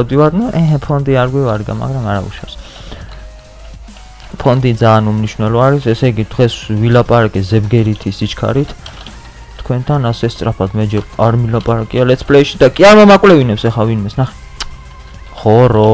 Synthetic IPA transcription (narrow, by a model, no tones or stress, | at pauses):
d̪ivad̪nɔʔɛɛpʰɔnd̪iaɾɡwivaɾɡa̰ma̰ɡɾamaɾaṵʃa̰fs | pʰɔnd̪id̪zaːnumniʃwnɛlɔaɾisɛsɛɡid̪̥ʁɛsvilapʼaɾakʼɛzɛbɡɛɾit̪ʰisit͡ʃʰkʰa̰ɾit̪ʰ | t̪ʰkʰwɛnt̪ʰanasɛst̪sʼɾapʰad̪mɛd͡ʒɛaɾmilapʼaɾakʼialɛt̪sʰpʰʼlɛʃid̪akʼiaɾmamakʼwlɛvinɛpsɛχavinmɛsnaχɛ̥ | χɔɾɔ